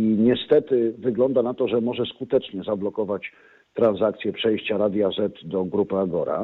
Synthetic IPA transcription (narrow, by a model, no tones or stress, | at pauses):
iɲɛst̪ɛt̪ɘvɘɡlɔnd̪anat̪ɔʐɛmɔʐɛskut̪ɛt͡ʂɲɛzablɔkɔvat͡ɕ | t̪ɾanzakt̪sʲjɛpʂɛjɕt͡ɕaɾad̪ʲjazɛt̪d̪ɔɡɾupaɡɔɾa̰